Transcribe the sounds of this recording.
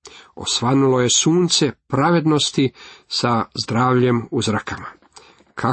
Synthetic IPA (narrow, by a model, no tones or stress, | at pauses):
o̞̰sʋanuloje̞suːnt̪se̞pɾaʋe̞d̪no̞st̪isazd̪ɾaːʋʎe̞muzɾakʰama | kʰa